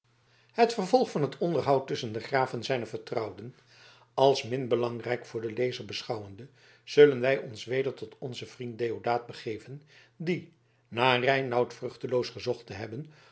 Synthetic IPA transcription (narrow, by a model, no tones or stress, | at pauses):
hətfəɹvɔlˠχfɑnɦətʰɔndəɹɦɑwtɵsəndəχraːvənzɛjnəvəɹtrʌwdən | ɑlˠsmɪnbəlɑŋrɛjkfʊːɹdəlejzəɹbəsχɑwəndə | z̥ɵlənʋɛjɔnsʋejdəɹtɔtɔnzəv̥rint̚dejodaːd̚bəχeːvən | di | naːrɛjnʌwtfrɵχtəlowsχəzɔχtəɦɛbən